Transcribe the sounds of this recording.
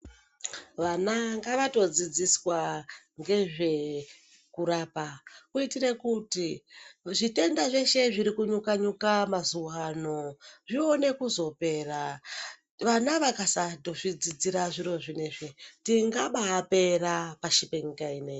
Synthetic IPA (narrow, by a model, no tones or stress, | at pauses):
ʋanaŋɡaʋato̞d͡zid͡ziswa | ŋɡe̞ʐe̞ | kuɾaːpakuitiɾe̞kutiʐite̞ndaʐe̞ʃe̞ʐiɾikuɲukaɲukamazuɦano̞ʐione̞kuzo̞pe̞ːra | ʋanaʋakasato̞ʐid͡zid͡ziɾaʐiɾo̞ʐine̞ʐetiŋɡaɓaːpe̞rapaʃipeŋkaine